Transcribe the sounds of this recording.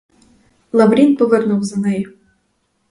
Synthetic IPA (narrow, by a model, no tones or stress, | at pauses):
lˠɐʋɾʲinpɔʋɪrnʊwzɐnɛjʊ